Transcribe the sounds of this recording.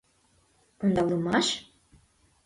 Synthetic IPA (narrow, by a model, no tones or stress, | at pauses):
ond̪ɑwləmɑʃ